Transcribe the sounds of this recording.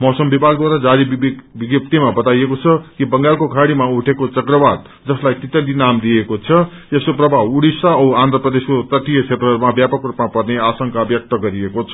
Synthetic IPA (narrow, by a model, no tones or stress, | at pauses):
mʌsʌmbibʱaɡ̚d̪waɾad͡zaɾibbiɡjʌp̚t̪imabʌt̪ajekot͡sʰʌkibʌŋɡalkokʰaɽimauʈʰekot͡sʌkrʌbad̪̚ | d͡zʌslajt̪it̪ʌlinamd̪iekot͡sʰʌ | eskoprʌbʱauɽisaʌwand̪ɾʌprʌd̪eskot̪ʌʈːijʌt͡sʰet̪rʌɦʌɾumabjapʌkrupnapʌrneasʌŋkabjʌk̚t̪ʌɡʌɾiekot͡sʰʌ̥